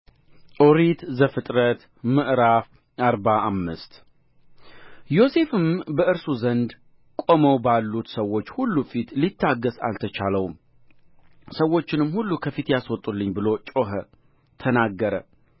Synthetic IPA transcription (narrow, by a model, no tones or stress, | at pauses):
ʔoɾit̪zəfɨt̪ʼɾət̪ | mɨʔɾaf | aɾbaʔamːɨst̪ | jo̞se̞fɨmbəʔɨɾsuzənd̪ | kʼo̞məwbalːut̪səwo̞t͡ʃːhulːufit̪lit̪ʰːaɡːəsa̰lt̪ʰət͡ʃaləwum | səwːo̞t͡ʃːɪnɨmːhulːukʰəfit̪jaswɔt̪ʼːulːɨɲːbɨlo̞t͡ʃʼo̞ɦə | t̪ʰənaɡːəɾə